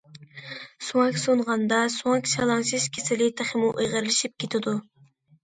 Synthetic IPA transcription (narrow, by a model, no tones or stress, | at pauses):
suɑkʲsonʁɑnd̪ɑsuɑkʲʃɑlˠɑŋʃɨz̥kʲʰesɪlɪt̪ʰæχɪmuʔojʁəɾlɪʃip̚kʲʰet̪ʰɪd̪u